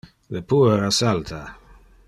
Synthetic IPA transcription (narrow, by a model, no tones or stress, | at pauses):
lepʰuːɾasalt̪ʰa